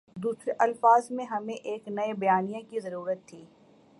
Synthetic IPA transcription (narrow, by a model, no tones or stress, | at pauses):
d̪uːsɾeʔɐlfaːzmẽɦɐmẽʔeːknɐebɐjaːnijakizɐɾuːɾət̪ʰːiː